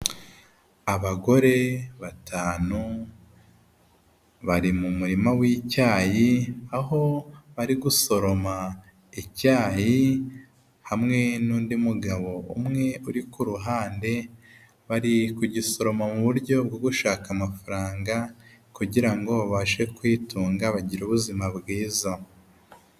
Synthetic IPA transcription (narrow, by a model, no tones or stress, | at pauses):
aβaɡo̞ɾe̞βatʰaːnu | βaɾimumuɾimawiːcaːjiaɦo̞βaɾiɡuso̞ɾo̞ma | icaːji | hamŋe̞nuːndimuɡaβo̞ṵmŋe̞uɾikuɾuɦaːnde̞ | βaɾikuɟiso̞ɾo̞mamuβuɾɟo̞b̚ɡoɡuʃaːkamafaɾaːŋɡakuɟiɾaŋɡo̞βaβaʃe̞kwiːtuːŋɡaβaɟiɾuβuzimabɡiːza